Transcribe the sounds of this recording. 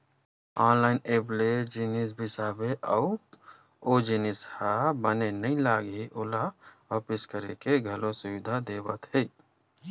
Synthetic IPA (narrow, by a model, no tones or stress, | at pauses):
aːnlaːɪneːpled͡ʒinis̬bʱɪsaːbeʔɔː | oːd͡ʒinɪshabənenɐĩlaːɡɦiʔʊlaʋaːpɪskəɾekeɡʱɐlõsʊʋɪd̪ʱad̪eːbət̪ɦɛ